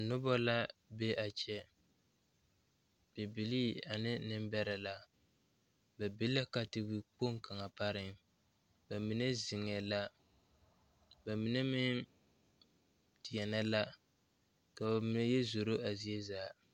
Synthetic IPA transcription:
a˨nʊ˦bɔ˦la˦bɛ˦ʔa˨t͡ʃɛ˦ | b̥ɛ˨bi˨li˦a˨nɪ˦nɪ˦mbɛ˦ɾa˨la˨ | bɛ˨bi˦lːa˦ka˨tɪ˨wi˨k͡po˦ŋka˨ŋa˨pa˦ɾɪ˦ŋ | ba˨mi˨nɛ˦zɪ˨ŋɛ˨la˦ | ba˨mi˨˦nɛ˦mɪ˦n | tɪ˨jɛ˨na˦la˦ | ka˨ba˨mi˦nɛ˦jɛ˦zo˨ɾo˦ʔa˨zi˦e˦zaː˨˦

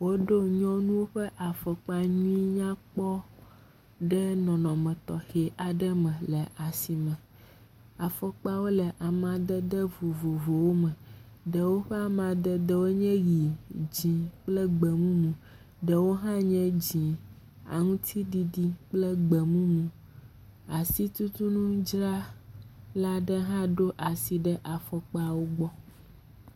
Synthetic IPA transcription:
wo˦ɖo˦ɲɔ̃˦nũ˦wo˦ɸɛ˦ʔa˨fɔ˨k͡pa˦ɲũ˦i˦ɲã˦k͡pɔ˦ | ɖɛ˦nɔ̃˨nɔ̃˨mɛ̃˨t̪ɔ˨xe˨ʔa˨ɖɛ˦mɛ̃˨le˨ʔa˨si˨mɛ̃˨ | a˨fɔ˦k͡pa˦wo˦lɛ˨ʔa˨m˦ã˨d̪ɛ˦d̪ɛ˦vo˨vo˨vo˨wo˦mɛ̃˨ | ɖə˨wo˦ɸe˦a˨mã˨d̪ɛ˦d̪ɛ˦wo˦ɲɛ̃˦ɣi˨d͡ʑĩ˨k͡plɛ˦ɡ͡bɛ˨mũ˦mũ˨ | ɖə˨wo˦ɦã˦ɲɛ̃˦d͡ʑĩ˨ | a̰˨ŋũ˦t̪ʰi˦ɖi˦ɖi˦k͡plɛ˦ɡ͡bɛ˨mũ˦mũ˨ | a˨si˦t̪u˦t̪u˦nũ˦d͡ʒɾa˦ | la˦ɖɛ˦ɦã˦ɖo˦ʔa˨si˨ɖə˦ʔa˨fɔ˨k͡pa˦wo˦ɡ͡bɔ˦

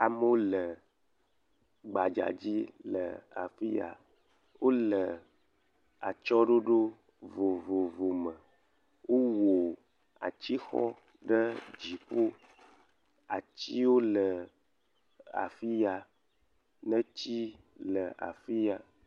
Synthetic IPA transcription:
a˨m˦o˦lə˨ | ɡ͡ba˨d͡ʒa̰˨d͡ʑi˦lə̰˨a̰˨fi˦ja̰˨ | wʔo˦lə˨ | a˨t͡ʃɔ˦ɖo˦ɖo˦ | vo˨vo˨vo˨mə˨ | wʔo˦wo˨ | a̰˨t͡ɕi˦xɔ̰˦ | ɖə˦d͡ʒi˨ɸo˦ | a˨t͡ɕi˦wo˦lə˨ | a̰˨fi˦ja˨ | nə̃˦t͡ɕi˦ | lə˨a̰˨fi˦ja˨

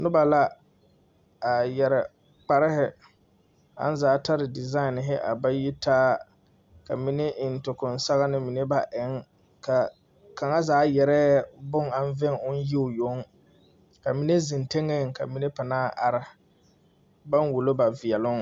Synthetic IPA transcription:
nʊ˦ba˨la˦ | a˨jɛ˨ɾɪ˨ | k͡pa˨ɾɪ˦hɪ˨ | a̰˦n˦zaː˨˦ta˦ɾɪ˨dɪ˨za˦ɪ˨nɪ˨ɦɪ˦ʔa̰˨ba˦ji˦taː˦ | ka˨mi˦ne˦ʔɪ˨n̩˨tʊ˨kʊ˨n˦sa˦ɣa˦nɪ˦mi˨ne˦ba˨ʔɪ˨˦ŋ | ka˨ | ka˨ŋa˦zaː˨˦jɛ˨ɾɛː˦bʊ˦ŋa˦n˦vɛ˦ŋʊ˦n˦ji˦ʊ˨jo˨˦ŋ | ka˨mi˨ne˦zɪ˨nte˦ŋe˦˨ka̰˨mi˦ne˦pa˨naː˦ʔa˨ɾa˨ | ba˦nwu˨lo˦ba˨vi˨ɛ˨lʊ˦ŋ

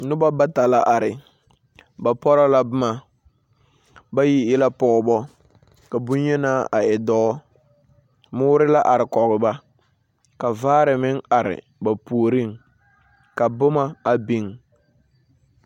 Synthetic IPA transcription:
nʊ˦ba˦ba˦ta˨la˦ʔa˨ɾɪ˨ | ba˨pɔ˦ɾa˦la˦bʊ˦ma˨ | ba˦ji˦jɪ˦la˦pɔ˨bɔ˦ | ka˨bu˦ɲɛ˦naː˦a˨ɛ˨dɔ˦ | mʊː˦ɾɪ˦la˦ʔa˨ɾɪ˨kɔ˨ɣɪ˨ba˦ | ka˨vaː˦ɾɪ˨mɪ˦ŋa˨ɾɪ̰˨ | ba˨puː˨ɾi˦˨ŋ | ka˨bʊ˦ma˦a˨bi˦ŋ

